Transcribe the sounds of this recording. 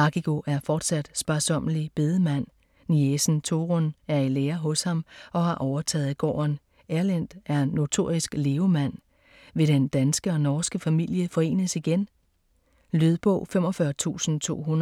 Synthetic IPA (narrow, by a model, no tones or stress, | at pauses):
ɑ̈ɡ̥iɡ̥o̝ʔæɐfɒːd̥sæd̥sb̥ɑsɒ̽m̰əlib̥e̝ðˠəmæn̰ː | iesn̩t͡sʰo̝ʁonæɐileːɐɦɔ̽shɑ̈mɒ̽hɑ̈ʔɒʊɐt͡sʰɛ̰ːð̞̩ˠɡ̥ɒ̰ːɐn | eɐlæn̰d̥æɐenːo̝t͡sʰo̝̰ːɐ̰ʁisɡ̥le̝ːʊmæn̰ | ʋe̝ɾ̥end̥ænsɡ̥əɒ̽nɒːsɡ̥əfæmil̰jəfɒ̽e̝̰ːnəsiɡ̥en | lyðˠb̥ɔ̰̽ʊ̰fem̰ɒ̽fɶɐt͡sʰṵːsn̩t͡sʰo̝̰ːɦun